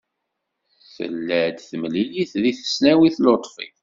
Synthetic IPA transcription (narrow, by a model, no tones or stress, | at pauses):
θə̰lːəʕd̪θəmliliθðiθə̥snæwiθlot̪ˤfḭ